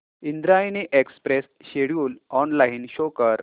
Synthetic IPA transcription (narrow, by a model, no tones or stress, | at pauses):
ind̪ɾajniʔekspɾes | ɕeɽjuːlɔnlainɕokəɾ